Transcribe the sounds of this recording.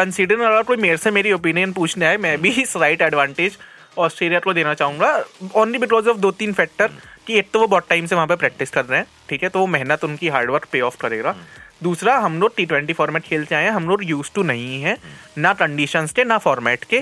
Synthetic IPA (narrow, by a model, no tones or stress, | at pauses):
kɐ̃nsiɖəɾəɾaːɾkoːimeːɾsemeːɾiopiːnijənpuːt͡ʃʰneaːemɛ̃ːbʱisɾaːɪʈɛːɖʋãːɳʈed͡ʒ | ɔːsʈɾeːlijakod̪eːnat͡ʃaːɦũŋɡaɔ̃ːnlibɪkɔːzɔːfd̪oːt̪iːnfɛːk̚ʈəɾkieːk̚t̪oʋobɔːʈʈːãːɪmseʋɐɦãpepɾɛːk̚ʈɪskɐɾːeɦɛ̃ː | ʈʰiːkɦɛt̪oʋomɛɦnət̪ʊnkiɦaːɾɖʋəɾk̚peːɔːfkɐɾeːɡaːd̪uːsɾaɦɐmloːɡ̚ʈiːʈʋɛ̃ɳʈifɔːɾmɛːʈkʰeːlt͡ʃaːɦẽɛ̃ɦɐmloːɡjuːzʈunɐɦĩɦɛ̃nakɐ̃ɳɖiʃənskenafɔːɾmɛːʈke